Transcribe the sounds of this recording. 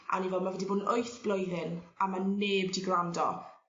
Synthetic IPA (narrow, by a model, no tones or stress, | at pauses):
ʔa̰nivɛlˠmavɛdiboːdnojθb̥lˠɔjðɪnamaneːbdiɡrandɔ̰